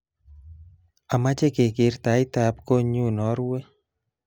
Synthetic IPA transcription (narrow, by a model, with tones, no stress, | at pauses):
a˨ma˦t͡ʃe˦ke˨kɪ˨˦ɾt̪a˨˦ɪ˦t̪a˨pko˦ɲu˦˨nɔ˨˦ɾwe˦